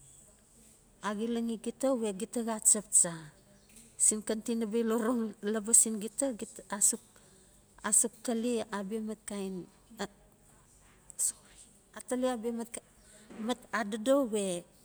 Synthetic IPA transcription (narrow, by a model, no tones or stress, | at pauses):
aɡilaŋiɡitawe̞ɡitaɡat͡ʃap̚t͡ʃa | sinkantinabeloɾoŋlabasinɡitaasuk̚ | asuk̚taliabiemat̚kajn | ataliabiem | matadado̞we̞